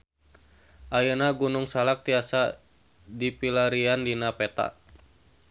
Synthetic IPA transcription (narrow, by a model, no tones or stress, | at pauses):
ʔajənaɡunuŋsalak̚t̪iasa | dipilaɾiandinapɛt̪a̰